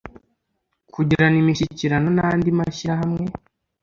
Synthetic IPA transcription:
kʰuɟiɾanimiʃiciɾano̞naandimaʃiɾaɦamŋe̞

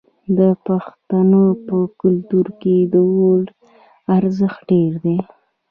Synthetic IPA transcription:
d̪əpaxt̪anəpəkʊlt̪uɾked̪əwoɽ | aɾzəxt̪̚ɖeɾd̪e

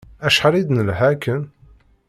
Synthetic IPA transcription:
æʃħɾˤid̪nəlhækən

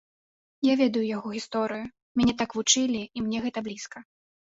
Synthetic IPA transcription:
javʲɛd̪ɐjujaɣɔɣʲist̪ɔɾɨju | mʲanʲɛt̪akvut͡ʂɨlʲiimnʲɛɣɛt̪ɐblʲiskɐ

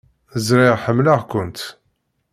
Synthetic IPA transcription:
əzɾɪʁħəmːlaʁkʷʊnt̪

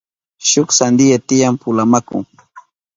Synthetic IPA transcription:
ʃʊksand̪ɪjat̪ɪjampʊlamakʊ̰ŋ

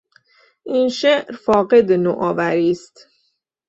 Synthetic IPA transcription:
ʔiːnʃeʔɾfɒːɢe̞d̪enoʔɒːvæɾiːst̪

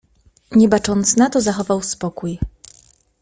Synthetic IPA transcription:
ɲɛbat͡ʂɔnt̪snat̪ɔzaxɔvawspɔkuj

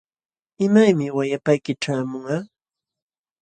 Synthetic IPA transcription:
ɪmajmɪwajapajkɪʈ͡ʂaːmʊŋaː

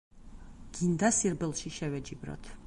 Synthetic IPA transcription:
ɡ̥ind̪asiɾbɛlˠʃiʃɛvɛd͡ʒibɾɔ̰t̪ʰ

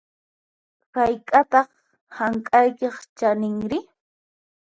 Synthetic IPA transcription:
ɾajkʼat̪ɑχ | haŋkʼajkeχt͡ʃanɪŋɾɪ

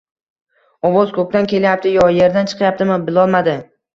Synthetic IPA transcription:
ɒwozkʰɵk̚ʲt̪ankʲe̞ljap̚t̪ʰɪjɒje̞ɾd̪ant͡ʃʰɨ̥qʰjap̚t̪ɪmɪbɪlˠɒlˠmad̪ɪ

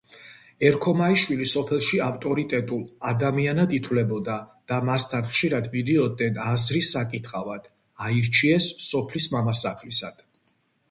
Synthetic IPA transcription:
ɛɾkʰɔmaiʃwilisɔpʰɛlˠʃiaft̪ʼɔɾit̪ʼɛt̪ʼulˠad̪amianad̪it̪ʰwlɛbɔd̪ad̪̥amast̪ʰanχʃiɾad̪vid̪ɛɔd̪ɛnazɾisːakʼit̪ʰχʼavad̪̥ | aiɾt͡ʃʰiɛsːɔpʰlismamasaχlisad̪̥

